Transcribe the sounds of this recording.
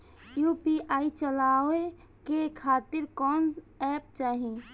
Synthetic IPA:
jupiʔaːit͡ʃəlaːʋe | kekʰaːt̪ɪɾkɔːn | ɛːp̚t͡ʃaːɦĩ

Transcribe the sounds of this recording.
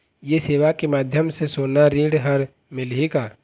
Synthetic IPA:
jeseːʋakemaːd̪ʱjəmsesoːnaɾiːɽɦəɾ | mɪlɦika

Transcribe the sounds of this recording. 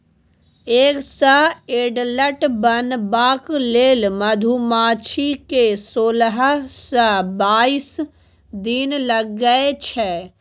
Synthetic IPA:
eːksəeːɖləʈbənbaːkleːlmɐd̪ʱumaːt͡ʃʰikesoːlɦsəbaːis | d̪inləɡːəet͡ʃʰɛː

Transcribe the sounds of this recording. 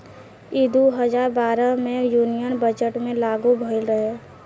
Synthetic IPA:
id̪uɦəd͡ʒaːɾbaːɾəmẽjuːnijənbəd͡ʒəʈmẽlaːɡubʱəlɾəɦe

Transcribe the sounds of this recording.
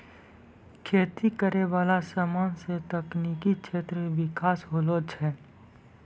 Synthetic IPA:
kʰeːt̪ikəɾeʋaːlasamaːnset̪əkniːkikʃʰeːt̪ɾəʋɪkaːsɦoːloːt͡ʃʰɛː

